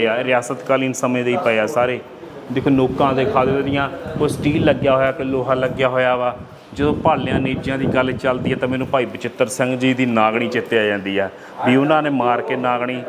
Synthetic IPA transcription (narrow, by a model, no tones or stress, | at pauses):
aːɾɪjaːsət̪kaːliːnsəmẽːd̪eiːpəaːsaːɾeː | d̪eːkʰoːloːkãːd̪eːkʰaːd̪eːeːd̪ɪjãːkoːsʈiːlːəɡjaːɦoːjaːkeloːɦãːləɡjaːɦoːjaːʋaː | d͡ʒəd̪õːpaːljãːniːd͡ʒjãːd̪iːɡəlt͡ʃəld̪iːɛːt̪ãːmɛːnũːpaːiːbɪt͡ʃɪt̪ːəɾsə̃ŋɡd͡ʒiːd̪iːnaːɡɽ̃iːt͡ʃɪt̪ːeaːd͡ʒãːnd̪iːɛː | biːʊnãːneːmaːɾkeːnaːɡɳiː